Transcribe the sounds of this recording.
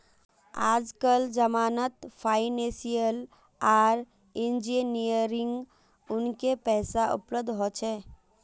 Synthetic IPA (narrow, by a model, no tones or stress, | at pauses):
aːd͡ʒkəld͡ʒɐmaːnət̪fʰaːɪnẽːsijəl | aːɾ | ɪ̃nd͡ʒinijəɾɪ̃ŋɡ | ʊnkepɛːsaʔʊ̰pləb̚d̪ʱɦoːt͡ʃʰɛː